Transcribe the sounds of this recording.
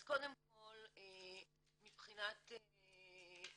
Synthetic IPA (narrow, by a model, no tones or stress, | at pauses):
zkod̪emko̞le | mipχinat̪e